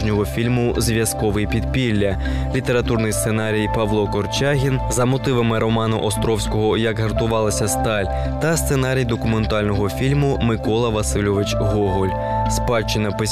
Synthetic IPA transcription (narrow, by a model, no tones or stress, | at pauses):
ʒnʲɔɦɔfʲilʲmʊzʲʋʲjɐskɔʋɪjpʲid̪̚pʲilʲːɐ | lʲit̪e̞ɾɐt̪urnɪjst̪senɑɾʲijpɐʋlˠɔkɔrt͡ʃaɦʲinzɐmɔt̪ɪʋɐmɪɾɔmɑnʊʔɔst̪ɾɔwsʲkɔɦɔjɐɡɦɐrt̪ʊʋɑlˠɐsʲɐst̪ɑlʲ | t̪ɐst̪senɑɾʲijd̪ɔkʊment̪ɑlʲnɔɦɔfʲilʲmʊmɪkɔlˠɐʋɐsɪlʲɔʋɪt͡ʃɦɔɦɔlʲ | spɑlʲt͡ʃɪnʲɐpɪ